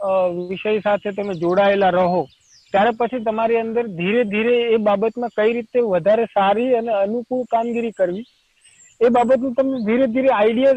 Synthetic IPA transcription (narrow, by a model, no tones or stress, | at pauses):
ʋɪʃəjsat̪ʰet̪̬əmẽd͡ʒoɽaelaɾəɦo | t̪jaɾepət͡ʃʰit̪əmaɾiənd̪əɾd̪ʱiɾed̪ʱiɾeːbabət̪mãkəiɾit̪eʋəd̪ʱaɾesaɾiəneənukuɭkamɡiɾikəɾʋi | ebabət̪nũt̪əmned̪ʱiɾed̪ʱiɾeaiɖija